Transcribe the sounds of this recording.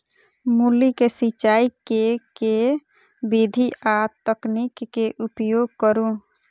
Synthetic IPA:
mulikesit͡ʃaikeke | bid̪ʱiʔat̪əknikːeʔupjoɡ̚kəɾũ

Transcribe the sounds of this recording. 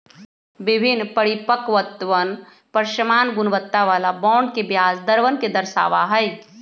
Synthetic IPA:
ʋɪbʱɪnːpəɽipəkʋət̪ʋən | pəɾʃəmaːnɡʊnʋət̪ːaʋaːlabɔ̃ːɳɖkebjaːsd̪əɾʋənked̪ɐɾʃa̰ːʋaɦɛj

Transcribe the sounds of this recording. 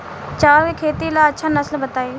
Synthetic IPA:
t͡ʃaːʋiːkʰeːt̪ilaːətːʃʰaːnəsəlbət̪aːiː

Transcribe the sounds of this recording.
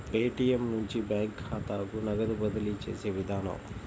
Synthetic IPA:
peːʈijemnuɲt͡ʃibjaːŋkʰːhaːt̪aːɡunɐɡɐd̪ubɐd̪ɐlit͡ʃḛːseːʋid̪ʱaːnɐ̰m

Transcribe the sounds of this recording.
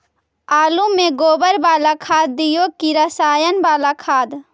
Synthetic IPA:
aːlumeɡoːbəɾbaːlakʰaːd̪̚ːijokiɾəsaːjənbaːlakʰaːd̪

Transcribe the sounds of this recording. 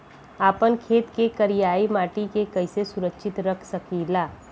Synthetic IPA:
aːpənkʰeːt̪kekɐɾijaːimaːʈikekɐɪsesʊɾəkʃʰɪt̪ɾəkʰsɐkilaː

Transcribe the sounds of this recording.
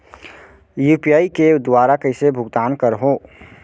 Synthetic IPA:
juːpijaːiked̪waːɾakəɪsebʱʊɡd̪aːnkəɾɦoː

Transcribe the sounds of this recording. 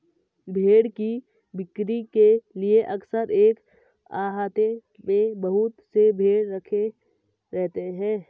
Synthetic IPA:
bʱeːɽki | bɪkɾikelieʔɐksəɾeːk | a̰ːɦaːt̪e | mẽbəɦʊt̪sebʱeːɽɾəkʰe | ɾɛɦt̪eɦɛ̃ː

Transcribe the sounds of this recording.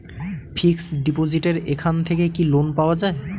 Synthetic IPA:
pʰiksɖipod͡ʑiʈeɾekʰant̪ʰekekilonpaoad͡ʑae

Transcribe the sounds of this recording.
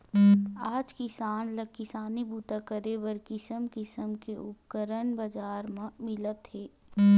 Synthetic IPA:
aːd͡ʒkɪsaːnləkɪsaːnibuːt̪akəɾebəɾkɪsəmkɪsəmkeʔʊpkəɾəɳbəd͡ʒaːɾmmɪlət̪ɦeː

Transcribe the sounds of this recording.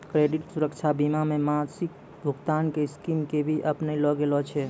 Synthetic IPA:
kɾeɖiʈsuɾəkt͡ʃʰabimamemasik̚ | bʱuɡt̪ankeskimkebʱiʔəpnəilɔɡelɔt͡ʃʰɛ

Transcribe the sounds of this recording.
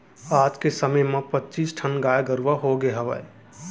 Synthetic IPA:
aːd͡ʒkesəməjmẽpətːt͡ʃiːsʈʰənɡaːjɡəɾuʋaɦoɡeɦəʋə̰e

